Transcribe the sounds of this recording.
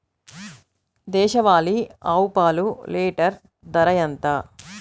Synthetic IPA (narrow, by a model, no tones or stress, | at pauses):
d̪ɛːʃɐʋaːliaːwpaːlulɛːʈɐɾ | d̪ɐɾɐjɐnt̪ɐ